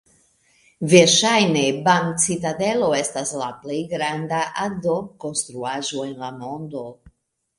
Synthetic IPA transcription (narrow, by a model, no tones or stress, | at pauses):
veɾʃajne̞baŋt͡sit̪ad̪e̞lo̞e̞staslaplejɡɾand̪aʔad̪oko̞nst̪ɾuaʒo̞e̞nlamo̞nd̪o̞